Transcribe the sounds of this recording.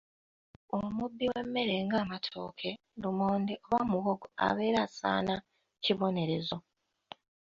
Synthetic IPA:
omubːiwe̞mːe̞ɾe̞ŋɡaːmatʰo̰ːkʰe̞ | dumoːndiʔoβamuɣoɡoa̰βe̞ːɾasa̰ːna | ciβo̞ne̞ɾe̞zo̞

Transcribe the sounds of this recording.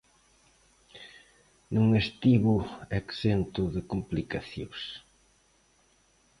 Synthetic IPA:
nuŋest̪iβʊeksent̪ʊðɪkomplikaθjos

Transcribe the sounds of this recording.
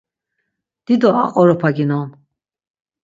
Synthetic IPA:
d̪̥id̪ɔa̰qʼɔɾɔpʰaɡinɔn

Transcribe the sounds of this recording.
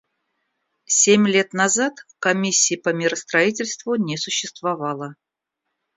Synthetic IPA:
sʲemʲlʲe̞t̪nɐzat̪kɐmʲisʲːɪɪpəmʲɪɾəst̪ɾɐitʲɪlʲst̪vʊnʲesʊɕːɪst̪vɐvɑlˠə

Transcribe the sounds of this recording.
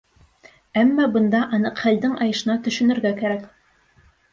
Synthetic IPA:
æmːɑbɤ̆nd̪ɑʔɑnɤqχæld̪ɘŋʔɑjɤ̆ʃɤ̆nɑt̪ɵ̆ʃɵ̆nɵ̆ɾɡækæɾæk

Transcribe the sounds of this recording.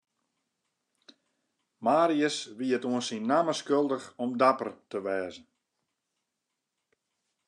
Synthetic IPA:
maːɾiəsʋiətuənsinːaməskølˠdəxɔmdapərtəʋɛːzn̩

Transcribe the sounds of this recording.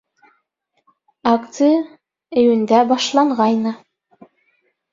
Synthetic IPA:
ɑkt̪sɨjə | ɘ̆jɘ̆nd̪æbɑʃlˠɑɴʁɑjnɤ

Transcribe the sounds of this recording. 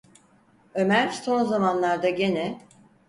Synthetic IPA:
ø̞mæɾso̞nzamanlˠaɾd̪aɟe̞nɛ

